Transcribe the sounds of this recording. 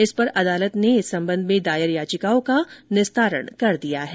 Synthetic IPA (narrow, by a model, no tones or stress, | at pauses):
ɪspɐɾɐd̪aːlət̪neɪsɐ̃mbə̃nd̪mẽd̪aːjɪɾjaːt͡ʃɪkaːõkanɪst̪aːɾə̰ɽ̃ɳkɐɾd̪ijaɦɛː